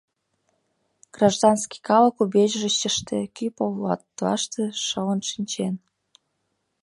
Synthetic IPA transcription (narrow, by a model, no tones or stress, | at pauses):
ɡ̥rɑʒd̪ɑnski̥kɑlə̆kubeʑʒeɕəʃt̪ekypollɑ̰t̪ːlɑ̰ʃt̪ĕʃələnʃinʲt͡ɕen